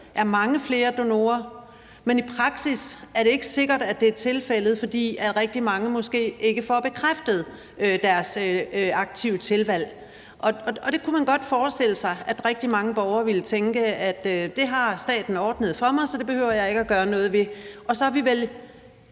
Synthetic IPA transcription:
ʔæɐmɑ̈ŋəfle̝ːɐd̥o̝no̝̰ːɐ | menipʰʁɑ̈ɡ̥sisæɐɾe̝e̝ɡ̥əse̝ɡ̥ɐd̥æd̥e̝æɐt͡sʰe̝lfel̰ð̞̩ˠfɒ̽d̥ḭːæʁɛɡ̥̚d̥imɑ̈ŋəmɔ̽sɡ̥e̝̰ːʔe̝ɡ̥əfɒæb̥e̝kʰʁafd̥əð̞̩ˠ | ød̥æɐsɑ̈ɡ̥̚t͡sʰiʊət͡sʰe̝lʋæl̰ | ʔɒ̽ɒɒ̽d̥e̝kʰumænɡ̥ɒ̽d̥fɒːsd̥e̝l̰əsɑ̈ɪʔæd̥ʁɛɡ̥̚d̥imɑ̈ŋəb̥ɒʊɐːʋilət͡sʰeŋɡ̥əæd̥d̥e̝ɦɑ̈sd̥ɛ̰ːd̥n̩ɒːd̥nəð̞̩ˠfɒ̽mɑ̈ɪsɒ̽d̥e̝b̥e̝høʊ̰ɐjɑ̈ɪe̝ɡ̥əæɡ̥ɶːɐnɔ̽ːð̞̩ˠʋe̝ɒ̽sɒ̽hɑ̈ʋiʋel

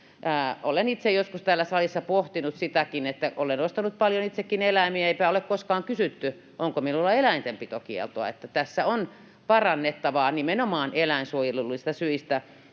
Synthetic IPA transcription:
ʔæːʔolenit̪sejoskust̪æːlːæsɑlisːɑpoht̪inut̪sit̪ækinet̪ːæʔolenost̪ɑnut̪̚pɑljonit̪sekːinelæmiæeipæolekkoskɑːŋkysyt̪ːy | ʔoŋkominulːɑelæint̪empit̪okiḛlt̪oɑ̰et̪ːæt̪æsːæon | pɑrɑnːet̪ːɑʋɑːnimenomɑːnelæˑinsuojelulːist̪ɑsyist̪æ

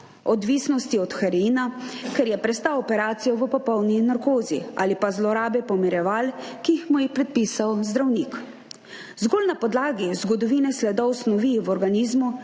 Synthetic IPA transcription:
ɔd̪ʋiːsnɔst̪iɔt̪xɛɾinakɛɾjɛpɾɛst̪awɔpɛɾaːt̪sijɔʋəpɔpɔwninaɾkoːzḭa̰ːlipazlɔɾaːbɛpɔmiɾjɛʋaːlkiːxmujixpɾɛt̪̚piːsawzd̪ɾawnik | zɡoːlnapɔd̪laːɡizɡɔd̪ɔʋiːnɛslɛd̪ɔwsnɔʋiʋɔɾɡaniːzmu

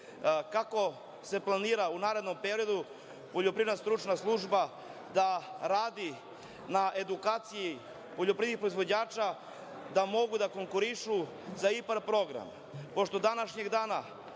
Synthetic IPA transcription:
kako̞ | se̞plˠaniːɾaunaːɾe̞d̪no̞mpe̞ɾijo̞d̪u | po̞ʎo̞pɾiʋednast̪ɾut͡ʃnaslˠuʒba | d̪aɾaːd̪i | naʔe̞d̪ukaːt̪siji | poʎopɾienixpɾo̞izʋo̞d͡ʑaːt͡ʃa | d̪amo̞ɡud̪ako̞ŋkuɾiʃu | zaipaɾpɾo̞ɡɾa̰m | po̞ʃt̪od̪anaʃɲe̞ɡd̪aːna

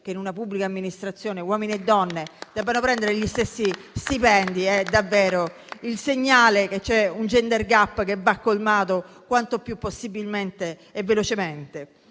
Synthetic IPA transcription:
k̟einunapubːlikaːmːinist̪ɾat̪sːjoːnewɔːminied̪ːɔnːed̪ɛːvanopɾɛnd̪eɾeʎist̪esːist̪ipɛnd̪iɛd̪avːeːɾo | ilseɲːaːlek̟et͡ʃːɛund͡ʒɛnd̪erɡapːkevːakːolmaːt̪o | kwant̪opjupːosːibilment̪eː | vːelot͡ʃement̪e

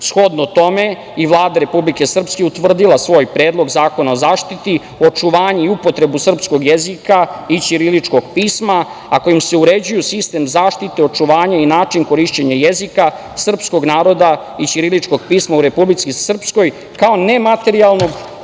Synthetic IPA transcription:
sxo̞d̪not̪o̞me̞ | iʋlˠaːd̪aɾe̞publike̞sr̩pskeut̪ʋr̩d̪ilˠasʋo̞ːjpɾeːd̪lˠo̞ɡzaːko̞nao̞zaːʃt̪it̪i | ot͡ʂuʋaːɲeiupo̞t̪ɾe̞busr̩psko̞ɡjezikait͡ʃiɾilit͡ʃko̞ɡ̥piːsmaː | ko̞jimse̞uɾe̞d͡ʑujusist̪e̞mzaːʃt̪it̪eo̞t͡ʃuʋaːɲainaːt͡ʃiŋko̞ɾiʃt͡ɕeɲajezika | sr̩psko̞ɡnaːɾo̞d̪a | it͡ʃiɾilit͡ʃko̞ɡ̚piːsmauɾe̞publit̪sisr̩psko̞j | kao̞ne̞mat̪e̞ɾialˠno̞ɡ

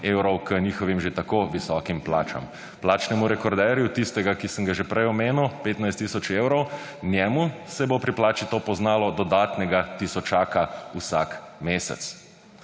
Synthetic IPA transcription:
ewɾɔwkəniːxɔʋimʒet̪akoʋisɔkimpla̰ːt͡ʃa̰m | plaːt͡ʃnɛmuɾɛkɔɾd̪ɛɾjut̪ist̪ɛɡakisəŋɡaʒɛpɾɛjɔmeːnuwpeːt̪najst̪ːiːsɔt͡ʃewɾɔw | njɛmusɛbopɾiplaːt͡ʃit̪opɔznaːlɔd̪ɔd̪aːt̪nɛɡat̪isɔt͡ʃaːkausa̰kmeːsɛ̰t̪s

